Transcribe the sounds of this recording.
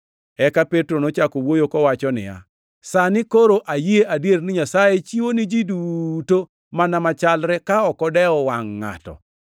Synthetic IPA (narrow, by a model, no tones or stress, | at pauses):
ɛkapetɾonot͡ʃakowojokɔwat͡ʃɔnɪ̰ja̰ | sanɪkoɾoʔajieʔadjernɪɲasajet͡ʃiwonɪd͡ʒiduto | manamat͡ʃalɾɛkaɔkɔdɛɔwaŋːa̰tɔ̰